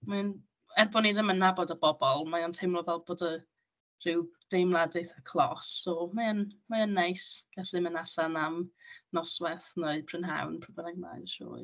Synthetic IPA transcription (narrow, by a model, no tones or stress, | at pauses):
man | ɛrbɔniðɪmənːabɔdəbɔbɔlˠmajɔntʰejmlˠɔvɛlˠboːdə | r̥ɪwd̥ejmlˠadɨθakʰlˠɔsːɔmaənmaənːajsɡ̥aɬɪmənaɬanamnɔswɛθnəɨpʰrɪnɦa̰wnpʰrəbənaɡ̚na̰jdəʃo̰ː